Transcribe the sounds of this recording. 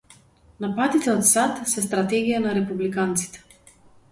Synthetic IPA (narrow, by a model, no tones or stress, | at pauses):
napat̪it̪ɛɔt̪sat̪sɛst̪ɾat̪ɛɡijanaɾɛpublikant̪si̥t̪ɛ̥